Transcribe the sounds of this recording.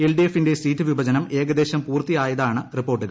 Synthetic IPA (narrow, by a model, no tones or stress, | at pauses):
elɖijefːindesiːtːɨʋibɐd͡ʑɐnɐme̞ːɡɐd̪e̞ːɕɐmpuːrt̪ijaːjɐðaːɳɨripːo̞ːrʈːɨɣɐ